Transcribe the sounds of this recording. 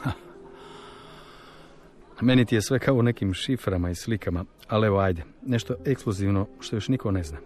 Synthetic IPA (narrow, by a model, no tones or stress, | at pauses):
ha | me̞nit̪ije̞sʋe̞kʰaoune̞kimʃifɾamaislikama | aleʋoaːjd̪e | ne̞ʃt̪o̞ʔe̞kskluziːʋnoʃt̪o̞joʃnikone̞znaː